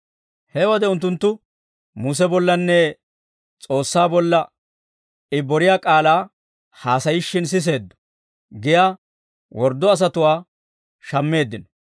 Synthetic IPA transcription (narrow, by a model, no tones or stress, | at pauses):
hɛwɔd̪ɛʊnt̪ːʊnt̪ːʊ | muːs̬ɛbɔlːɐnːɛ | t͡sʼo̞ːsːaːbɔlːɐ | ɪbːɔɾɪjaːkʼaːlaː | haːsɐjɪʃːɪns̬ɪs̬e̞ːd̪ːɔ̥ | ɡɪjaː | wɔɾd̪ːɔɐs̬ɐt̪ʊwaː | ʃɐmːe̞ːd̪ːɪnɔ